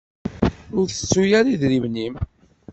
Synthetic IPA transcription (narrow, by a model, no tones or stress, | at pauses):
ʊɾθə̥t͡sːujaɾiðɾimnim